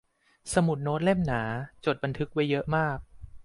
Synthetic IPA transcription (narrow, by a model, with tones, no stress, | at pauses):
sa˧mu˨˩t̪̚noː˦˥t̪̚le˥˩mnaː˩˦t͡ɕoː˨˩t̪̚ba˧nt̪ʰɯ˦˥k̚wa˦˥jːɤ˦˥ʔmaː˥˩k̚